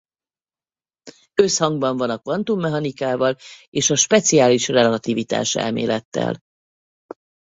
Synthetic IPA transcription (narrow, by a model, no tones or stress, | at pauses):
øshɒŋɡbɒɱvɒnɒkvɒnt̪umːɛɦɒnikaːvɒleːʃɒʃpɛt̪siaːliʃrɛlɒt̪ivit̪a̰ːʃɛ̰lmḛːlɛt̪ːɛ̰l